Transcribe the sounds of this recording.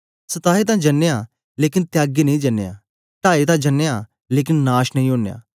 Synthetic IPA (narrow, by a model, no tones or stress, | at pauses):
sət̪aːɦet̪̬ãːd͡ʒənːejaː | leːkɪnt̪jaːɡiːnɐĩːd͡ʒɐnːḛja̰ː | ʈaːet̪̬ãːd͡ʒənːejaː | leːk̬ɪnnaːʃnəĩɦoːneja̰ː